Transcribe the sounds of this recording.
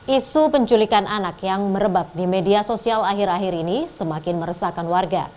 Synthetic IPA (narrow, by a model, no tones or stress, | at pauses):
ʔisupəɲt͡ʃulikanʔanakjaŋməɾəbak̚dimediasosialaɦɪɾaɦɪɾinisəmakɪnməɾəsakanwarɡa̰